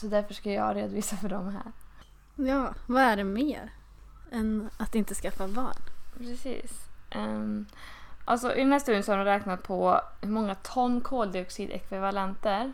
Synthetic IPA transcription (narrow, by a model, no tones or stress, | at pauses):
sɔd̪æɾfœʂkaljɑːɾeːd̪ʊviːsafœɖɔmɦæ̰ːɾ | jɑːvaæɖɛmeːɾ | ɛnat̪ɪnt̪əskafavɑ̰ːnpʰɾɛsḭːsʔɛ | ʔa̰lsɔʔʏ̰d̪ɛnæːst̪ʉːd̪ənsɔhaɾɔmɾɛːknat̪̚pʰɔmɔŋːat̪ʰɔnːkʰoːld̪ɪɔksiːd̪ɛ̰kvɪvalɛnt̪əɾ